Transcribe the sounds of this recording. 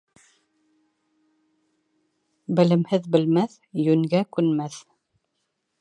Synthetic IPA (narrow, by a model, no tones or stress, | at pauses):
bɘ̆lɘ̆mhɘðbɘ̆lmæθ | jɵŋɡækʉnmæθ